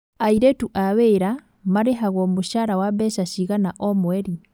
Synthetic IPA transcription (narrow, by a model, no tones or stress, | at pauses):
aiɾɛtuʔaβeːɾa | maɾeɦaɣɔmoʃaɾawabɛʃaʃiɣanaʔɔmwɛɾi